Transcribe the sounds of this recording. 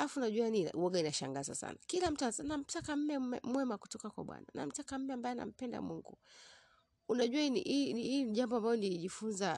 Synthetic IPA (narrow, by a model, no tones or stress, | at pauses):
alafunaʄuajanḭwɔɡainaʃa̰ŋɡaza̰sa̰nakilam̩tanam̩takam̩mɛɛmwɛmaku̥tɔkakwa̰ɓwa̰na̰na̰m̩takam̩mɛambajɛna̰m̩pɛnda̰muŋɡu | unaʄuainḭiniiʄambɔambalɔniliʄifunza